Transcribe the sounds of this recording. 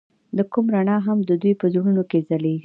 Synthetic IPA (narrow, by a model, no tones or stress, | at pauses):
d̪əkumɾaɳɑɦamd̪əd̪ujpəzoɽunokezaleɡi